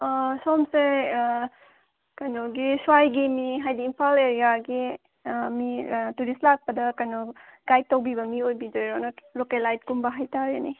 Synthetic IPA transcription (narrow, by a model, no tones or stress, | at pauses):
somseɾ | kajnoɡiswajɡiniɦajdiːmpʰaleɾijaɡi | mituɾislak̚pɐdɐkɐjnɔɡ̥aj̚tɐwbibɐmiojbidojɾonɔlokelajd̚kumbɐɦajtaɾenḭ